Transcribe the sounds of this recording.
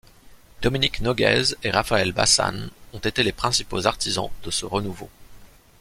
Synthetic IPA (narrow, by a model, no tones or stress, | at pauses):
d̪̥ɔminiknɔɡɛ̰zeʁafaɛlba̰sa̰nɔ̃t̪et̪elepχɛ̃sipozaʁt̪ʰizɑ̰̃d̪̥əsəʁənuvo